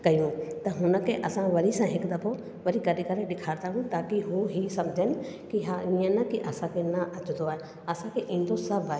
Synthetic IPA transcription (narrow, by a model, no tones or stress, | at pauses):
kɐjũt̪ɐɦʊnə̆kʰeʔɐsãʋɐɾisãɦɪkd̪ɐpʰo | ʋɐɾikɐɾikɐɾeɗɪkʰaːɾd̪aːɦũt̪aːkiɦuɦisɐmd͡ʑʱən | kiɦaiə̃nɐkiʔɐsãkʰenɐʔɐt͡ʃ̪d̪oaːɦe | ɐsãkʰeʔĩːn̆d̪osɐbʱaːɦe